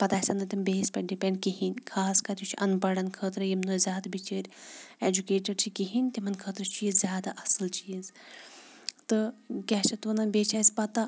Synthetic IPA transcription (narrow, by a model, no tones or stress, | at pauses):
pɐt̪aːsʲɐnɨt̪imbeːsʲpʲɐɖipɛɳɖkiɦinʲkʰaːskɐɾt̪ut͡ʃʰiʔɐnbɐɽɐnkʰəːt̪ɾɐjimnoːzʲjaːd̪ɐbit͡ʃəːɾʲed͡ʒukeːʈɐɾt͡ʃʰikiɦinʲt̪imɐnkʰəːt̪ɾɐt͡ʃiːzzʲjaːd̪aʔɐsɨlt͡ʃiːz | t̪ɨkʲɛːt͡ʃʰɐt̪uːnɐnbeːt͡ʃʰaːsʲpɐt̪ɐ